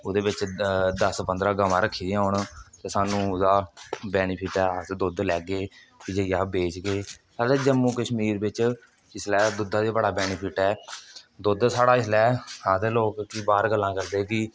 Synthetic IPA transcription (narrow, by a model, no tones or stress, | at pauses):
od̪eːbɪt͡ʃd̪əspə̃nd̪ɾaːɡəmãːɾəkʰːiːd̪ĩːʊɳt̪eːsaːnũːd̪aːbɛːnipʰɪʈɛːaːt̪ed̪ʊd̪lɛːɡeː | kɪd͡ʒeːjaːbeːt͡ʃɡeːsaːɾeːd͡ʒəmːuːkəʃmiːɾbɪt͡ʃ | ɪslɛːd̪ʊd̪ãːd̪iːbəɽaːbɛːniːpʰɪʈɛːd̪ʊd̪saːɽaːɪslɛːhãːt̪eːloːkːiːbaːɾɡəlːãːkəɾd̪eːkɪ